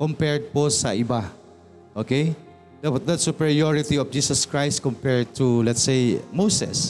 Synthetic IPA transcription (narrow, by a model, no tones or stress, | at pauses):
kɔmpɛɹd̪̚posɐ̰ʔɪba | ʔokej | d̪d̪ɐt̪sʊpɛɹioɹɪt̪iɔfd͡ʒiːsɐskɹajst̪̚kɔmpɛɹd̪̚t̪ulɛt̪sejmowsɛ̰s